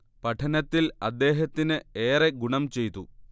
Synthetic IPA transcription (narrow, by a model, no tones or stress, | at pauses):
pɐʈʰɐnɐt̪ːilɐd̪ːe̞ːɦɐt̪ːinɨeːreɡuɳɐmt͡ɕe̞jt̪ːṵ